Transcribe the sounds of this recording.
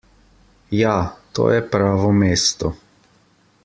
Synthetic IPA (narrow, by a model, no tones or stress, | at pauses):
jaːt̪o̰ːjɛpɾaːʋɔmeːst̪ɔ